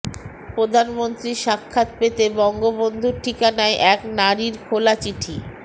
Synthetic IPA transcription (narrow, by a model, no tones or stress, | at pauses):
pɾod̪ʱanmont̪ɾiʃakʰːat̪̚pet̪ebɔŋɡobond̪ʱuɾʈʰikanaeʔɛknaɾiɾkʰolat͡ɕiʈʰi